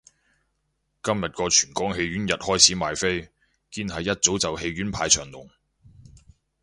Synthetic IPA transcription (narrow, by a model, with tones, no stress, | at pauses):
kɐ˥mjɐ˨t̚kɔː˧t͡ʃʰyː˨˩nkɔː˥ŋɦe˧jɥyː˨˥njɐ˨t̚hɔː˥jt͡sʰiː˨˥maː˨jfe˥j | kiː˥nɦɐ˨jːɐ˥t̚t͡so˨˥wt͡sɐ˨whe˧jɥyː˨˥npʰaː˧jt͡ʃʰœː˨˩ŋlʊ˨˩ŋ